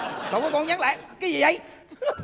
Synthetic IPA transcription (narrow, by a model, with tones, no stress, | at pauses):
kɔ˨˩wkɔ˨˦k̪o˧nɲaː˨˦˥ŋla̰ː˧˨jkaː˨˦jzi˨˩ʔə˧j